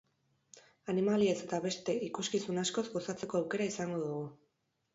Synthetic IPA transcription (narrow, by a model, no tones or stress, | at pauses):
animalie̞se̞t̪aβe̞st̪e̞ikuskisunasko̞zɡo̞sat͡se̞ko̞awke̞ɾaisaŋɡo̞ðuɣ̞u